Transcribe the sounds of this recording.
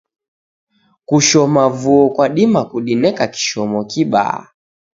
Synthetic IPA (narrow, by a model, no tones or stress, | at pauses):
kuʃɔmavuɔkwaɗimakuɗinɛkaki̥ʃɔmɔkiɓa̰a̰